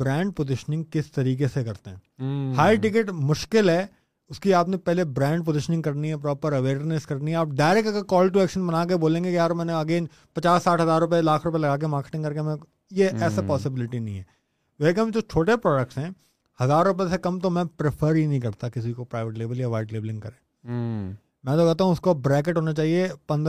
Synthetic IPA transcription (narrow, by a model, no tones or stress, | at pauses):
b̥ɾɛ̃ːɳɖ̚pozɪʃənɪ̃ŋɡ̚kɪst̪ɐɾiːk̬esekɐɾt̪eɦɛ̃ːhaːɪʈɪɡɪʈmʊʃkɪlɦɛ | ʊskiaːpnepɛɦlebɾɛ̃ːɳɖp̬ozɪʃənɪ̃ŋɡkɐɾniɦɛpɾɔːpəɾɐʋeːɾnɪskɐɾniɦɛaːp̚ɖaːɪɾɛk̚ʈɐɡəɾkɔːlʈ̬uɛːkʃənbɐnaːk̬eboːlẽːŋɡekijaːɾmɛ̃ːneɐɡeːn | pɐt͡ʃaːsːaːʈʰɦɐzaːɾːʊp̬elaːkʰɾʊp̬elɐɡaːk̬emaːɾke̥ʈɪ̃ŋkɐɾkemɛ̃ | jeɛːsapɔːsɪbɪlɪʈinɐɦĩɦɛː | ʋɛkɐmd͡ʒoːt͡ʃʰoːʈepɾɔːɖək̚ʈsɦɛ̃ː | hɐzaːɾːʊp̬esekɐmt̪omɛ̃pɾɪpʰəɾɦinɐɦĩk̬ɐɾt̪akɪs̬ikopɾaːɪʋeʈleːʋəljaʋaːɪʈleːbəlɪ̃ŋɡkɐɾẽː | mɛ̃ːt̪okɛɦt̪̬aːɦũʊskobɾɛːkeʈɦoːnat͡ʃaːɦiepɐ̃nd̪